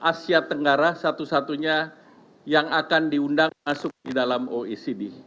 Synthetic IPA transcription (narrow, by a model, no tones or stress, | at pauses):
ʔasiat̪əŋɡaɾasat̪usat̪uɲa | jaŋakandiundaŋmasʊk̚didalamoisidi